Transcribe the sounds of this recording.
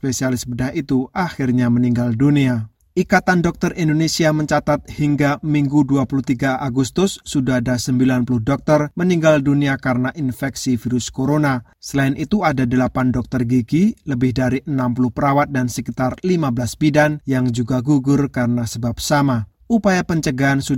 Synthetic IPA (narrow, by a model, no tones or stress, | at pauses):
spesialɪsbədaɦit̪uʔaxɪrɲaməniŋɡaldunia | ʔikat̪andɔk̚t̪ərʔindonesiaməɲt͡ʃat̪at̪̚hiŋɡamiŋɡuduapuluht̪iɡaʔaɡust̪ʊsːudaɦadasəmbilanpulʊhdɔk̚t̪ərməniŋɡalduniakaɾənaʔinfɛksifiɾʊskoɾonasəlaɪnʔit̪uadadəlapandɔk̚t̪ərɡiɡiləbɪhdaɾiʔənampulʊhpəɾawat̪̚dansəkit̪arlimabəlasbidanjaŋd͡ʒuɡaɡuɡʊrkaɾənasəbap̚sama | ʔupajapəɲt͡ʃəɡaɦansu